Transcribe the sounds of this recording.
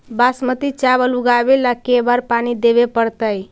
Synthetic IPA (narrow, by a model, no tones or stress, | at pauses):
basmət̪it͡ʃabəluɡabelakebaɾpanid̪eβepəɾt̪əj